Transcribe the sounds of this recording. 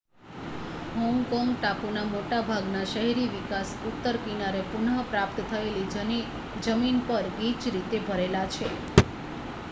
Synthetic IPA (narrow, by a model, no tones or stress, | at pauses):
ɦɔ̃ŋɡkɔŋɡʈapunamoʈabʱaɡnaʃəɦɛɾiʋikasut̪ːəɾkinaɾepuɳəpɾap̚t̪t̪ʰəelid͡ʒəni | d͡ʒəminpəɾɡit͡ʃɾit̪ebʱəɾelat͡ʃʰe